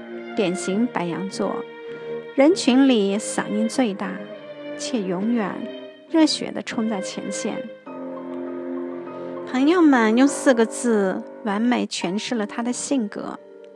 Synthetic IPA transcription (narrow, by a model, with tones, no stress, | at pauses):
t̪jɛ˨˩nɕi˧˥ŋpa˧˥ɪjɑ̰˧˥ŋt͡swɔ̰˥˩ | ɻə˧˥nt͡ɕʰy˧˥nli˨˩sɑ̰˨˩ŋi˥˧ŋt͡swe˥˧ɪt̪a˥˩t͡ɕʰjɛ˥˩jʊ˧˥ŋɥɛ̰˨˩n | ɻɤ˥˩ɕɥɛ̰˧˥d̪ə̰˦ʈ͡ʂʰʊ˥ŋt͡sa˥˩ɪt͡ɕʰjɛ̰˧˥nɕjɛ̰˥˩n | pʰɤ˧˥ŋjo˧ʊmə˨njʊ˥˧ŋsɹ̩˥˩ɡə˩t͡sɹ̩˥˩wa˧˥nme˨˩ɪt͡ɕʰɥɛ˧˥nʂɻ̩˥˩lə˩t̪ʰa˥d̪ə˨ɕi˥˩ŋkɤ̰˧˥